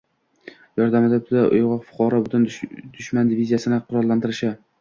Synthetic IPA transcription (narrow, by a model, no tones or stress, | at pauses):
jɒɾd̪amɪd̪ɪd̪aʔʊ̰jʁɒfʊ̥qʰɒɾɒbʊt̪ʰɪnd̪ʊʃmand̪ɪvizijasɪnɪqʰʊɾɒɾlːant̪ɪɾɪʃɪ